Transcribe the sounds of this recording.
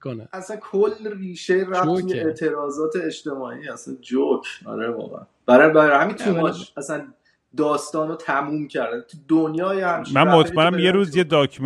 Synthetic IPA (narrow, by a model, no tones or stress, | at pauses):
æsænkʰolːriːʃeiɾæft̪ʰujeet̪ʰe̞ɾɒːzɒːt̪ʰeeʃt̪e̞mɒːiːæsænd͡ʒocʰɒ̰ɾevɒ̰ːɣḛæ̰nb̥æɾɛbæhæmiːnt̪ʰumɒːʃæsæn | d̪ɒːst̪ɒːnot̪ʰæmuːmcʰæɾd̪ænt̪ʰud̪onjɒːjehæmʃmænmot̪anæmjeɾuːzjed̪ɒːkʰm